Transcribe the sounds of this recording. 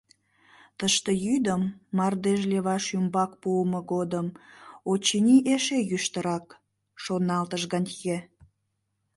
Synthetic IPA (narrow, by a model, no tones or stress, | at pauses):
t̪əʃt̪ejyd̪əmːɑrd̪eʒleβɑʃymbɑkpuəməɡod̪əmot͡ɕinʲiʔeʃejyʃt̪əɾɑk | ʃonɑlt̪əʒɣɑnʲke